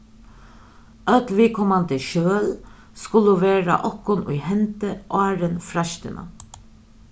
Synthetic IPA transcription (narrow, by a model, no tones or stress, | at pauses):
ɑt̪ʋɪːkʰɔmand̪əʃøːl | skʊləʋeːɾa̰ʔɔkːʊnʔṵjhɛnt̪əʔɑːɾənfɾaʃt̪ə̰nʔə̰